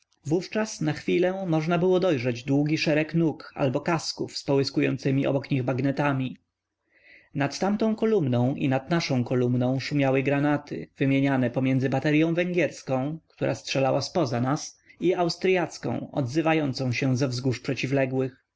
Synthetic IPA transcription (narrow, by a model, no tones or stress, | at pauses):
vuft͡ʂasnaxfʲilɛmɔʐnabɘwɔd̪ɔjʐɛd͡ʑd̪wuɡʲiʂɛɾɛknuka̰lbɔkaskufspɔwɘskujɔ̰nt̪sɘmʲiʔɔ̰bɔkɲiɣbaɡnɛt̪amʲi | nat̪ːamt̪ɔ̃w̃kɔlumnɔ̃w̃ʔḭnad̪naʂɔ̃w̃kɔlumnɔ̃w̃ʂumʲjawɛɡɾanat̪ɘ̰v̥ɘmʲjeɲanɛpɔmʲjɛndzɘbat̪ɛɾjɔ̃w̃vɛŋɡʲjɛɾskɔ̃w̃kt̪uɾʔastʂɛlawaspɔzanasiawst̪ɾjat̪skɔ̰̃w̃ɔ̰d̪zɘvajɔnt̪sɔ̃w̃ɕɛ̃zɛvzɡuʂpʂɛt͡ɕivlɛɡwɘx